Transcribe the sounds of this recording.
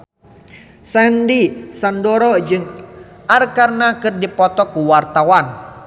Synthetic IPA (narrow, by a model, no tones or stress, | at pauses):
sɛndisandɔɾɔd͡ʒɨŋ | ʔarkarnakɨrdipɔt̪ɔkuwart̪awan